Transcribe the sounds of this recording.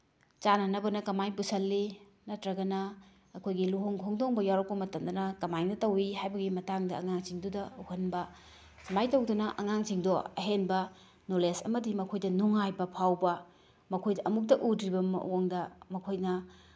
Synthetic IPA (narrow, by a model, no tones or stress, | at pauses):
t͡ʃanɐnɐbɐnɐkɐmajpusɐlːi | nɐtɾɐɡɐnɐː | kʰojɡiluɦoŋkʰoŋdoŋbɐjawɾɐk̚pɐmɐtɐmdɐnɐkɐmajnɐtɐwiɦajbɐɡimɐtaŋdɐɐŋaŋt͡ʃiŋdudɐhɐnbɐ | sɐmajtɐwdunɐʔɐŋaŋt͡ʃiŋdoɐ̰ɦenbɐ | nolesɐ̰mɐdimɐkʰojdɐnuŋajbɐpʰawbɐ | mɐkʰojdɐʔɐmuk̚tɐʔudɾibɐmɐ̰oŋdɐmɐkʰojnɐ